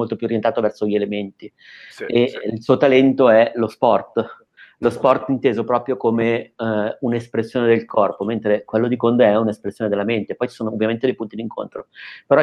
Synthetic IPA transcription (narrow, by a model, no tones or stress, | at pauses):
molt̪opjuoɾjent̪at̪ovɛrsoʎielement̪i | eilsuːot̪alɛnt̪oɛlospɔrt̪ | lospɔrt̪int̪eːzopɾɔːpɾjokome | unespɾesːjoːned̪elkɔrpoment̪ɾekwelːod̪ikond̪eɛunespɾesːjoːned̪elːament̪epɔjt͡ʃi̥soːnoːvːjament̪ed̪ejpunt̪id̪iŋkʰo̰nt̪ɾopeɾɔ